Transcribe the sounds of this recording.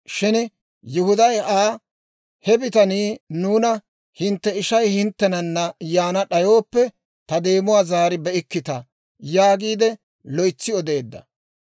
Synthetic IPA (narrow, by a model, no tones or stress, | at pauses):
ʃɪn | jʊhʊd̪ɐjaː | hɛbɪt̪ɐniːnuːnɐ | hɪnt̪ːɛɪʃɐjhɪnt̪ːɛnɐnːɐjaːnɐɗɐjo̞ːpːɛ | t̪ɐd̪e̞ːmʊwaːzaːɾɪbɛʔɪkːɪt̪ɐ | jaːɡiːd̪ɛ | lɔjt͡sːɪɔd̪e̞ːd̪ːɐ̰